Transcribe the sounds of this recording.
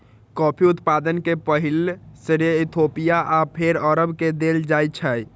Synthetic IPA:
kɔpʰiut̪pad̪ənkepəɦilsiɾiit̪ʰopijaʔapʰeɾəɾəbked̪eld͡ʒajt͡ʃʰəj

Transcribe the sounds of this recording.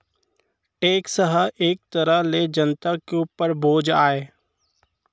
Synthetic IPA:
eːksəɦəʔeːk̚t̪əɾəɦled͡ʒənt̪akeuːpəɾbʱoːd͡ʒaːeː

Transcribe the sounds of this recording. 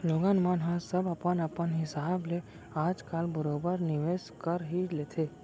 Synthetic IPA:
loːɡaːnmaːnɦãsɐbɐpənɐpənɦɪsaːble | aːd͡ʒkaːlbəɾoːbəɾnɪʋeːskəɾɦileːt̪ʰeː

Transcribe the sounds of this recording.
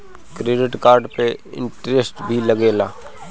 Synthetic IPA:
kɾeːɖɪʈkaːɾɖpeɪ̰̃ɳʈɾesʈbʱilɐɡeːlaː

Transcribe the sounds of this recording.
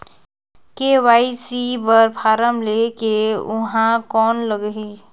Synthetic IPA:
kewaːisibəɾpʰaːɾəmlekeʊ̰ɦãkɔːnləɡɦi

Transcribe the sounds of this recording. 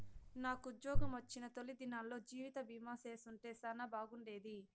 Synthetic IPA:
naːkuud̪jɔːɡɐmʋɐt͡ʃːinɐt̪o̞lid̪inaːllo̞ːd͡ʒiːʋit̪ɐbiːmaːseːsuɳʈeːsanɐbaːɡuɳɖe̞ːd̪i

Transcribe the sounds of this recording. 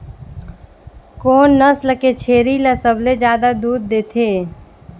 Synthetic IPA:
koːnːəsləket͡ʃʰeːɾiləsəbʱled͡ʒjad̪ad̪uːd̪̚ːet̪ʰe

